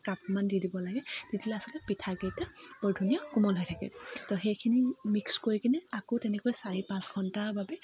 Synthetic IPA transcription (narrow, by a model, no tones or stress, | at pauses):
kap̚mandidibɔlaɡɛtitʰilɛasɔlɛpitʰaɡɛtabɔdʱunijakumɔlɦɔjtʰakɛ̰tɔxejkʰinimikskoɹikinɛakotɛnɛkojsaɹipãsɡʱɔntaɹbabɛ